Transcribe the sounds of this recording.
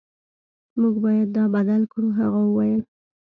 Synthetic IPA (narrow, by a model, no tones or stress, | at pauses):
muɡbɑjad̪̚ːɑbad̪alkuɦaɣawəwɑjəl